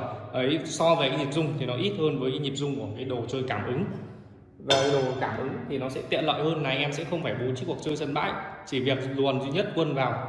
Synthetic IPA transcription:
ʔə˨˦jsɔ˧ve˨˩kaː˨˦jɲi˨˩p̚zʊ˧ŋ͡mt̪ʰi˨˩nɔ˨˦ʔi˦˥t̚həː˧nvəː˨˦jkaː˨˦jɲi˨˩p̚zʊ˧ŋ͡mku˧˩əkaː˨˦jɗo˨˩t͡ɕəː˧jkaː˧˩mʔɨ˨˦ŋ | vaː˨˩ka˨˦jɗo˨˩kaː˧˩mʔɨ˨˦ŋt̪ʰi˨˩nɔ˨˦sɛ̰˧˥t̪ḭ˧˨ənla̰˧˨jhəː˧nːa˨˩jʔɛ˧nsɛ̰˧˥xə˧wŋ͡mfaː˧˩jɓu˨˦t͡ɕɨ˦˥ku˨˩ək̚t͡ɕəː˧jsə˧˩nɓa̰ː˧˥˨jt͡ɕi˧˩vi˨˩ək̚lu˨˩ənzi˧ɲə˦˥t̚kwə˧nvaː˨˩w

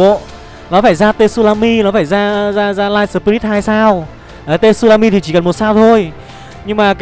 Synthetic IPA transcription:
o̰˧˨ | nɔ˨˦faː˧˩jzaː˧t̪e˧su˧laː˧mi˧nɔ˨˦faː˧˩jzaː˧zaː˧zaː˧laː˧jsəː˧˩pi˧i˦˥t̚haː˧jsaː˧w | ʔəː˨˩t̪e˧su˧laː˧mi˧t̪ʰi˨˩t͡ɕi˧˩kə˨˩mo˨˩t̚saː˧wt̪ʰo˧j | ɲɨ˧ŋmaː˨˩˨

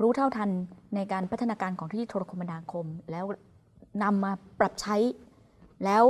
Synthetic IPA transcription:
ɾuː˦˥t̪ʰa˥˩wt̪ʰa˧nːa˧jkaː˧npʰa˦˥t̪ʰːa˧naː˧kaː˧nkʰɔː˩˦ŋt̪ʰiː˥˩t̪ʰoː˧a˧kʰo˧mːa˧naː˧kʰo˧mlɛː˦˥w | na˧mːaː˧pɾa˨˩p̚t͡ɕʰa˦˥j | lɛː˦˥w

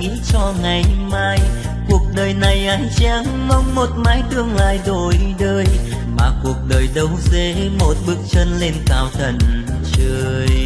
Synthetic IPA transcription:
ŋḭ˧˥t͡ɕɔ˧ŋa˨˩jmaː˧j | ku˨˩ək̚ɗəː˨˩jna˨˩jʔaː˨˦jŋt͡ɕa˧˥ŋmə˧wŋ͡mmo˨˩t̚maː˨˦jɗɨ˧əŋla̰ː˧˨jɗo˨˩jɗəː˧j | maː˨˩ku˨˩ək̚ɗəː˨˩jɗə˨˧˦wze˨˧˦mo˨˩t̚ɓɨ˦˥ək̚t͡ɕə˧nle˧nkaː˧˩wt̪ʰə˨˧˩nt͡ɕəː˧j

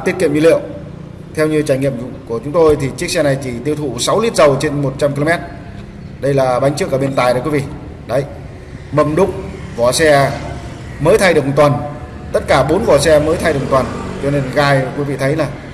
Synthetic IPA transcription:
t̪i˦˥ət̚kḭ˧˨əɲ̰˧˨lḭ˧˨əw | t̪ʰɛ˧wɲɨ˧t͡ɕaː˧˩jŋḭ˧˨əm˧˨ku˧˩ət͡ɕʊ˨˦ŋ͡mt̪o˧jt̪ʰi˨˩t͡ɕi˦˥ək̚sɛ˧na˨˩jt͡ɕi˧˩t̪i˧əwt̪ʰṵ˧˩sa˨˦wli˦˥t̚zə˨˩wt͡ɕe˧nmo˨˩t̚t͡ɕa˧mki˧lo˧mɛ˦˥t̚ | ɗə˧jlaː˨˩ɓa˨˦ŋ̟t͡ɕɨ˦˥kːaː˧˩ɓe˧nt̪aː˨˩jɗə˨˦kwvḭ˧˨ | ɗə˨˦j | mə˨˩mɗʊ˦˥k͡p̚vɔ˧˩sɛ˧ | məː˨˦jt̪ʰa˧jɗɨ˨˩ək̚m˨˩t̪wə˨˩n | t̪ə˦˥t̚kaː˧˩ɓo˨˦nvɔ˧˩sɛ˧məː˨˦jt̪ʰa˧jɗkm˨˩t̪ə˨˩nt͡ɕɔ˧ne˧nɣaː˧˩jkwi˨˦vḭ˧˨t̪ʰə˨˦jlaː˨˩

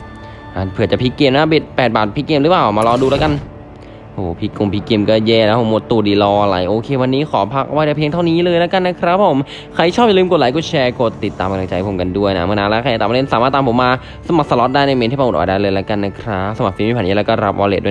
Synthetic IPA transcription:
ʔa˧˩pʰɯ˨˩ət͡ɕa˨˩pʰiː˦˥keː˧mna˦˥bi˨˩t̪̚pɛː˨˩t̪̚baː˨˩t̪̚pʰi˦˥keː˧mɾɯː˨˦˥plaː˨˩wmaː˧lɔː˧duː˧lɛː˦˥ka˧n | hoː˨˩pʰi˦˥ku˧˩ŋpʰiː˦˥keː˧mkɔː˥˩jɛː˧˩la˦˥pʰo˨˩˦mo˨˧˦t̪ːuː˨˩diː˧˩lɔː˧ʔa˧la̰˨˩jʔoː˧kʰeː˧wa˧nːiː˦˥kʰɔː˩˦pʰa˦˥k̚ʔa˧wa˦˥jdaː˧˩pʰi˧ŋt̪ʰwniː˦˥˨lɤː˧jnla˦˥ka˧nːa˦˥kʰɾa˦˥p̚ʰːo˨˦m | kʰa˧˥˩jt͡ɕʰɔː˥˩pja˨lːmko˨˩aː˨˦jku˧˩t͡ɕʰɛː˧ko˧˩t̪ːi˨˩t̪ːaː˧mʔa˧la˧t͡ɕa˧jpʰo˩˦mka˧ndu˥˩əjna̰˦˥mɯ˧˥˨naː˧˥lɛ˧˦˥kʰa˧ja˨˩t̪aː˨m˧le˥˩nsaː˨˦maː˥˩t̪ːaː˨˧mpʰo˨˦mːaː˧ | sa˧ma˨˩k̚sa˧lɔ˦˥t̪̚daː˥˩jna˧me˧nt̪ʰiː˥˩pa˧˨˩ʔɔ̰ː˨˩daː˥˩jlɤː˧jla˧˥ka˧nːa˦˥kʰɾa˦˥sa˧ma˨˩fiː˧˦miː˧pʰːniː˦˥˩ɾa˧˩kɔː˥˩ɾa˦˥p̚ʔɔ̰ː˧lḛː˧˩du˥˩˨

